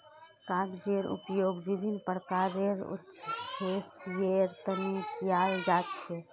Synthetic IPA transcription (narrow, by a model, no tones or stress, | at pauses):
kãɡd͡ʒeɾṵpjoɡbibʱinːpəɾkaɾeɾṵtːʃʰhesjeɾt̪ənikijald͡ʒat͡ʃʰɛ